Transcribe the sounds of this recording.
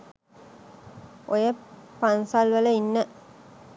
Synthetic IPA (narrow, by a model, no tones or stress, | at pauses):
ojəpansalʋələinːə